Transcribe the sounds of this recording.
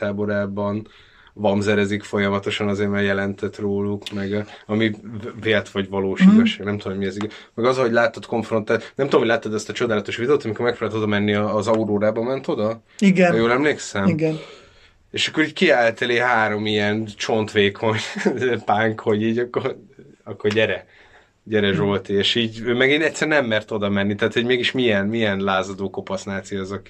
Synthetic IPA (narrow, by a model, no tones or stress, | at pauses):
aːboɾaːbɒn | vɒmzɛɾɛzikfo̞jɒmɒt̪o̞ʃɒnɒzeːrmarjɛlɛnt̪ʰɛt̪roːlukmɛɡɒmiveːlt̪ʋɒɟvɒloːʃiːt̪oʃaːɡnɛmt̪uodomoɟmiɛziɡɛ | mɛɡɒzɒɦo̞ɟlaːt̪ːot̪ko̞ɱfro̞nt̪aːt̪nɛmt̪udomolaːt̪ːɛd̪ɛst̪ɒt͡ʃo̞d̪aːlɒt̪o̞ʃʋid̪ɛoːt̪ɒmiko̞ɾmɛkfɛɾlːɛt̪o̞d̪ɒmɛnːiɒːzɒuɾoːɾaːbɒmɛnt̪o̞d̪ɒ | iɡnjoːlɛmleːksɛmiɡɛn | eːʃɒkːo̞ɾiːckiaːlt̪ɛleːɦaːɾo̞miɛnt͡ʃo̞nt̪ʋeːkʰo̞ɲpaːŋkho̞ɟiːɟɒkːorɒkːo̞rɟɛɾɛ | ɟɛɾɛʒo̞lt̪eeːʃiːɟøːmɛɡeːnɛc̪sɛɾnɛmːɛrt̪o̞d̪ɒmɛnːit̪ɛaːt̪ʰho̞ɟmeːɡiʃmijɛnmijɛnlaːzɒd̪oːko̞pɒsnaːt̪siɒzɒk